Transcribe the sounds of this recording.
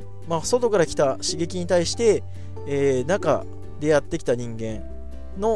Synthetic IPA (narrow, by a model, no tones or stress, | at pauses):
maːso̞t̪o̞kaɾakʲi̥t̪aɕiɡe̞kʲiɲ̟it̪aiɕi̥t̪e̞ | eːnaka̰ | d̪e̞jat̪ːe̞kʲi̥t̪aɲ̟ĩŋɡẽ̞n | no̞